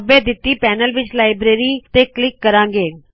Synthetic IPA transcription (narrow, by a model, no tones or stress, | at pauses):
beːd̪ɪt̪ːiːpɛːnəlʋɪt͡ʃlaːɪbɾeːɾiːt̪eːklɪkːəɾãːŋɡeː